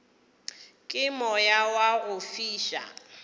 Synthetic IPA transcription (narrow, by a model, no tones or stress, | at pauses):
kʼɪmɔjawaɣʊfiːʃa̰